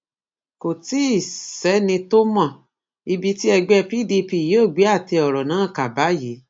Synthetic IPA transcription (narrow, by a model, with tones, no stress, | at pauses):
ko˨ti˦i˦˨sɛ˨˦nĩ˧to˦mã˦˨ | i˧bi˧ti˦ɛ˧ɡ͡bɛ˦˧pi˦di˧pi˧˨je˨˦o˦˨ɡ͡be˨˦a˦˨te˧ɔ˨ɾɔ˨nãː˨˦˨ka˨ba˨˦je˨˦